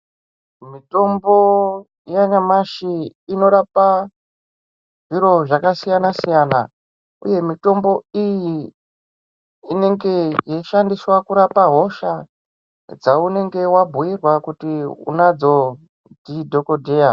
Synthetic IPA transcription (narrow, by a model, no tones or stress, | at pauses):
mito̞mbo̞ | jaɲamaʃiːno̞ɾapa | ʐiɾo̞ʐakasijanasijana̰ | uje̞mito̞mbo̞iji | ne̞ŋɡe̞jeʃandiswakuɾapaɦo̞ʃa | d͡zaune̞ŋɡe̞wabʱujirwakutiṵnad͡zo̞ | didʱo̞kodʱe̞ja